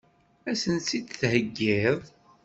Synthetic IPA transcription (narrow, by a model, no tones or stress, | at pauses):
æsənsid̪θhəɡːɪðˤ